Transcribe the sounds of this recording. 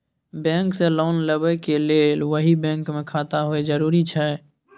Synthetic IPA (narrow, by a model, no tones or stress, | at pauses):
bɛ̃ːŋkseloːnləbəkeleːlʋəɦibɛ̃ːŋkmẽkʰaːt̪aɦoed͡ʒəɾuːɾit͡ʃʰɛː